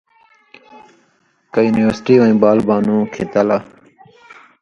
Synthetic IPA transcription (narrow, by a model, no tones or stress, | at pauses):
kajuːniʋəɾsʈiːʋãĩːbaːlbaːnũːkʰeːt̪aːlaː